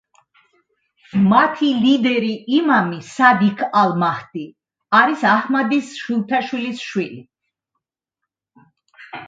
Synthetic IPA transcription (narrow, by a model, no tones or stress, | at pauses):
mat̪ʰilid̪ɛɾiːmamisad̪ikʰalˠmaht̪i | aɾisahmad̪isʃilˠt̪ʰaʃwilisʃwili